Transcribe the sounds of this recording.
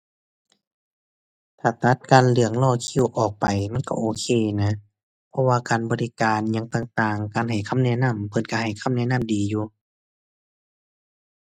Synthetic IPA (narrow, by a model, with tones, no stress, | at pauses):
t̪ʰaː˨˩t̪a˧˥t̪̚kaː˨nlɯ˧˩əŋlɔː˧˩˨kʰi˧˨wʔɔː˨˩k̚pa˨jma˧˥˨nkɔ̰˧˨ʔoː˧˦kʰeː˧˩˨na˧˥ | pʰɔ˧waː˧kaː˨nbɔː˨li˦˧kaː˨nɲa˧˥ŋt̪aː˧˩ŋt̪aː˨˩ŋkaː˧˩nha˨˩jkʰa˧˥˨mnɛː˧˩na˧˥˨mpʰɤ˧˩˦nka˧˩ha˨˩jkʰa˧˥˨mnɛː˧˥˨na˧˥˨mdiː˨juː˧